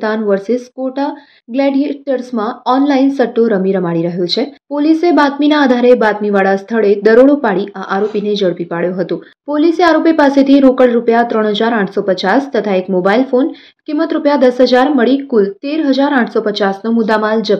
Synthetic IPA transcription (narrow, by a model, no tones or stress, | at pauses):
d̪anʋəɾsiskoʈa | ɡlɛɖieʈəɾsmãɔnlainsəʈːoɾəmiɾəmaɽiɾəɦjõt͡ʃʰepolisebat̪minaːd̪ʱaɾebat̪miʋaɭast̪ʰəɭed̪əɾoɽopaɽiʔaʔaɾopined͡ʒəɭpipaɭjõɦət̪õ | poliseaɾopipaset̪ʰiɾokəɭɾupjat̪ɾəɳ̃ɦəd͡ʒaɾãʈʰsopət͡ʃast̪ət̪ʰaekmobailfon | kimːət̪ɾupjad̪əsɦəd͡ʒaɾməɭikult̪eɾɦəd͡ʒaɾãʈʰsopət͡ʃasnomʊd̪amald͡ʒə